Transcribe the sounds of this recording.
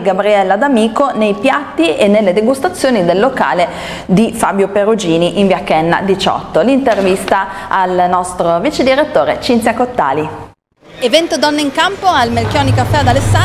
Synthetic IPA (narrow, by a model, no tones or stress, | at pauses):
ɡabɾiɛlːad̪amiːkonejpjat̪ːienːelːed̪eɡust̪at̪sːjoːnid̪elːoka̰ːle | d̪ifaːbjoperud͡ʒiːniʔiɱvjakɛnːa̰d̪it͡ʃɔ̰t̪ːolint̪ervist̪aːlnɔst̪ɾovit͡ʃed̪iɾet̪ːoːɾet͡ʃint̪sjakot̪ːa̰ːli | evɛnt̪od̪ɔnːeiŋkampoalmelkʲjɔnikafːɛad̪alesːa